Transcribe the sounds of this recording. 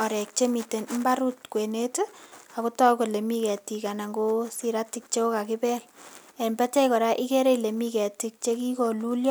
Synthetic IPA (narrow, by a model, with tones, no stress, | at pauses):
ɔ˨ɾɛ˨k̚t͡ʃe˦mi˨te˨nm̩ba˦ɾu˦tkwe˨ne˦ta˨ku˦tɔ˦ko˨le˨mi˦kɛ˨ti˨ka˨na˨ŋɡo˦si˦ɾa˦ti˦k̚t͡ʃe˦o˦ka˨kɪ˦pɛ˦l | ɛ˨mbɛ˦tɛ˦kɔ˨ɾa˦ʔi˦ke˦ɾe˦ile˨mi˦kɛ˨ti˨k̚t͡ʃe˦ki˦ko˨lu˦ljɔ˦